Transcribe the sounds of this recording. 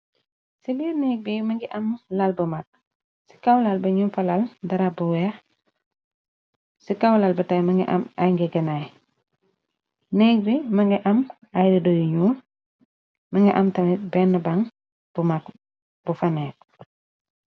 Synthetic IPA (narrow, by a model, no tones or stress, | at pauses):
siliɾnɛːk̚bimɐŋɡiʔɐmlalbɐmak̚ | si̥kawlalbɐɲufɐlaldɐɾabuwɛːx | sikawlalbɐtajmɐŋɡɛ̰ʔɐ̰majŋɡɛɡɐnaj | nɛːk̚bimɐŋɡiʔɐm | ajdɐdojiɲuːl | mɐŋɡiʔɐmtɐmɛbɛnːɐbaŋ | b̥umak | b̥ufɐnɛːk̚